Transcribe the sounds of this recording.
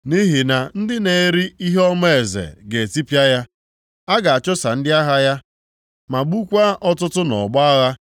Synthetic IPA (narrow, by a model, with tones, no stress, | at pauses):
ni˦ɦi˨na˨n̩˦dɪ˦ne˨˦ɾi˦i˦ɦe˦ɔ˦m˦e˨zḛ˨ɡe˨e˨ti˦pja˦ja˦ | a˦ɡa˨a˨t͡ʃɔ˦sa˨n̩˦dɪ˦a˦ɦa˦ja˦ | ma˨ɡ͡bu˦kʷa˦ʔɔ˦tʊ˦tʊ˦nɔ̰˨ɡ͡ba˦a˦ɣa˦